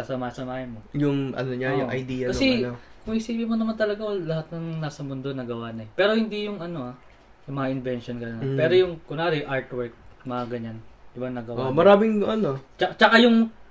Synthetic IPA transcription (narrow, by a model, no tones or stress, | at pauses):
asɐmaːsɐmaːhɪnmojʊŋʔɐ̰noɲajʊŋʔɐ̰jd̪iːjɐkɐsɛokʊŋhɪsiːbɪmonɐmant̪ɐlɐɡaolɐhat̪̚nɐŋnaːsɐmʊnd̪o̞nɐɡɐwanɐɛpɛːɾo̞hɪnd̪ijʊŋʔɐno̞a | jʊŋmɐŋaʔɪnvɛnʃonɡɐnonɐppɛːɾo̞jʊŋkʊnaːɾɪjʔaɹt̪wɛɹk̚mɐŋaɡɐɲand̥̪ɪbaŋnɐɡɐwomɐɾaːmɪŋʔɐnot͡ʃɐt͡ʃɐkajʊŋ